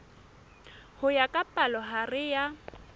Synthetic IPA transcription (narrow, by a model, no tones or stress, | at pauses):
hʊjakʼapʼalɔɦarɪja